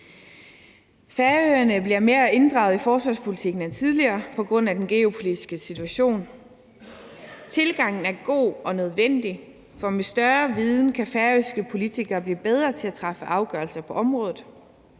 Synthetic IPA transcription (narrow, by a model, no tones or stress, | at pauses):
fæɐøɐnəb̥liɐme̝ːɐe̝nd̥ʁɑ̈ʊð̩ˠifɒːsʋɑ̈spʰolit͡sʰiɡ̥n̩ent͡sʰið̞ˠliɐːpʰɒ̽ɡ̥ʁɔ̽n̰æd̥enɡ̥e̝o̝pʰo̝lidisɡ̥əsit͡sʰuæɕo̝̰ːn | t͡sʰe̝lɡ̥ɑ̈ŋ̰n̩æɐɡ̥o̝̰ːɒ̽nøð̞ˠʋen̰d̥i | fɒ̽mesd̥ɶɐʋiðˠn̩kʰæfæɐøsɡ̥əpʰo̝lit͡sʰiɡ̥ɐːb̥liːb̥eð̞ˠʁɐt͡sʰe̝æt͡sʰʁɑ̈fəʔɑ̈ʊɡ̥ɶɐlsɐpʰɒ̽ʔɒ̽mʁɔ̽ːðˠð̩ˠ